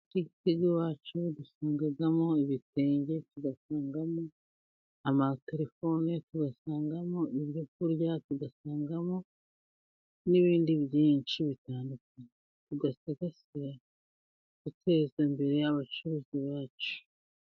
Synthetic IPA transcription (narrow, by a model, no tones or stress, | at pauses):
tiɟiteɡewaːt͡ʃudusaːŋɡaɡamo̞iβite̞ːɲɟe̞tuɡasaːŋɡamo̞ | amateɾefo̞netuɡasaːŋɡamo̞ʔiβjok̚uɾjatuɡasaːŋɡamo̞ | niβiːndiβjiːnt͡ʃiβitaːndukane | tuɡasaɡasiɾa | ɡutʰe̞ːzambe̞ɾe̞jaβat͡ʃuɾuːziβaːt͡ʃu̥